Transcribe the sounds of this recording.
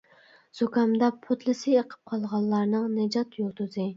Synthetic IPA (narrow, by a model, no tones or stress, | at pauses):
z̥okɑmd̪ɑpʰot̪lˠɨsɨeqʰə̥p̚qʰɑlˠʁɑlˠːɑɾnɨŋnɛd͡ʒɑt̪jot̪ʰuzɨ